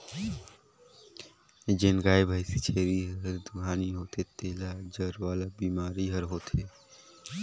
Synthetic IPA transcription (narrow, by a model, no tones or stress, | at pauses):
d͡ʒenɡaːjbʱaːjsit͡ʃʰeːɾiɦɦəɾd̪uɡaːniɦoːt̪ʰet̪eːlad͡ʒəɾʋaːlabiːmaːɾiɦəɾɦoːt̪ʰe